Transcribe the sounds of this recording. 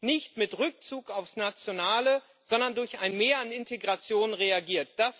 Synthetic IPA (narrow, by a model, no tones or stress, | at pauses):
nɪçtmɪtʁʏk̚t͡suːkaʊfsnat͡sjonaːlə | z̥ɔndɐndʊɐçaɪnmeːɐanɪntʰeɡʁat͡sjoːnnʁeaɡiːɐt̚d̥as